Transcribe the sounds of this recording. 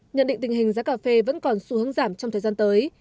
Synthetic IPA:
ɲə̰˧˨nɗḭ˧˨ŋt̪ŋ̟hi˨˩ŋ̟zaː˨˦˥kaː˧˩fe˧və̰˧˥nkɔ˨˩nsu˧hɨ˨˦ŋzaː˧˩mt͡ɕɔ˧ŋ͡mt̪əː˨˩zaː˧nt̪əː˨˦j

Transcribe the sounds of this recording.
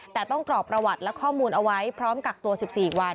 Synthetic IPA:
t̪ɛː˨˩t̪ɔ˥˩ŋkɾlɔː˨˩k̚pɾa˧wa˨˩t̪̚lɛ˦˥kʰɔː˥˩muː˧nʔa˧wa˦˥jpʰɾɔː˦˥mka˨˩k̚t̪u˧ɐsi˨˩p̚siː˨˩wa˧n

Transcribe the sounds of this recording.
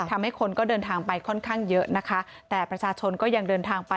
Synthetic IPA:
t̪ʰa˧mha˥˩jkʰo˧nkɔː˥˩dɤː˧nt̪ʰaː˧ŋpa˧jkʰɔ˥˩nkʰaː˥˩ŋjɤ˦˥ʔna˦˥kʰa˦˥ | t̪ɛː˨˩pɾa˧t͡ɕʰaː˧t͡ɕʰo˧nkɔː˥˩ja˧ŋdɤː˧nt̪ʰaː˧ŋpa˧

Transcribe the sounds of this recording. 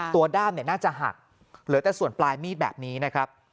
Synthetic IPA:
t̪u˧ɐdaː˥˩mni˥˩ənaː˥˩t͡ɕa˨˩ɦa̰˨˩k̚ | ɾɯː˩˦t̪ɛː˨˩su˨˩ənplaː˧jmiː˥˩t̪̚bɛ̰˨˩p̚niː˦˥na˦˥kʰɾa˦˥p̚

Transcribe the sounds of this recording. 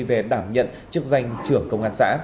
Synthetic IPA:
ve˨˩ɗaː˧˩mɲə̰˧˨nt͡ɕɨ˦˥ək̚za˧jŋ̟t͡ɕɨ˧˩əŋkə˧wŋ͡mʔaː˧˩nsa̰ː˧˥

